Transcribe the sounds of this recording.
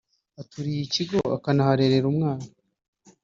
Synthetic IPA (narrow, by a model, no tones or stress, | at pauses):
atuɾijiciɡo̞a̰kanahaɾe̞ɾe̞ɾumŋaːna